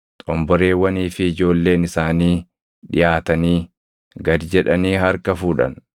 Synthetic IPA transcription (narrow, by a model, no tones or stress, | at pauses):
t̪ʼɔmbɔɾe̞ːwɐniːfɪːd͡ʒo̞ːlːe̞ːnɪsaːniː | ᶑɪ̰jaːt̪ɐniː | ɡɐd̪d͡ʒɛᶑɐniːɦɐɾkɐfuːᶑɐ̰n